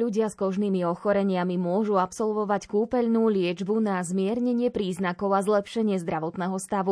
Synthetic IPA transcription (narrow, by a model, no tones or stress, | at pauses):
luɟɪaskɔʒniːmiɔxɔɾɛɲɪamimʊɔʒuapsɔlʋɔʋackuːpɛʎnuːlɪɛd͡ʒbunazmɪɛɾɲɛɲɪɛpɾiːznakɔʊazlɛpʃɛɲɪɛzd̪ɾaʋɔt̪nɛːɦɔst̪aʋu